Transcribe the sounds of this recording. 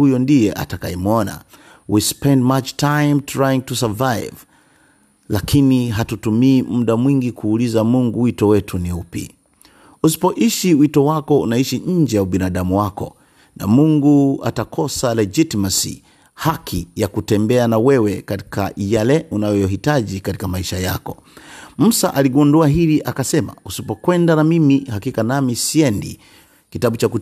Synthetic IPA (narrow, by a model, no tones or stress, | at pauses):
ujɔndijɛʔa̰takajɛmuɔna̰ | wispɛ̃ndmat͡ʃtʰajmtʰɾajĩŋtusɛvajv | lakʰiniɦatutumiːmm̩ɗamwiŋɡikʰuːlizamuŋɡuwitɔwɛtʰuniupḭ | usi̥pɔʔiʃiwitɔwakɔṵnaiʃiɲ̩d͡ʒɛjauɓinaɗamuwakɔ̰ | na̰muŋɡua̰takʰɔsalɛd͡ʒitimasḭ | hakʰijakutɛmbɛanawɛwɛkati̥ka̰jalɛunajɔjɔɦitaʄikati̥kamaiʃaja̰kɔ | m̩saʔaliɡunduaɦiliʔakasɛma̰usipɔkwɛndanamimihakikanamisiɛndḭ | kitaɓut͡ʃaku